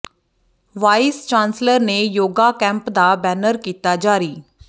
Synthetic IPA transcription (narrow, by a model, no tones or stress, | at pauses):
ʋaːɪst͡ʃãːnsləɾneːjoːɡaːkɛ̃ːmpd̪aːbɛːnəɾkiːt̪aːd͡ʒaːɾiː